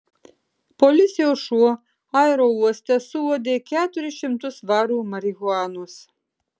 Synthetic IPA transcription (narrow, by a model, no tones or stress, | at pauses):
pɔlʲɪt̪sʲɪjoːsʃuɔ | ɑɛɾoːuɔsʲt̪ʲɛsʊʋoːd̪ʲeːkʲæːt̪ʊɾʲɪʃʲɪmt̪ʊsʋɑːɾuːmɐɾʲɪɣʊɑːnʊs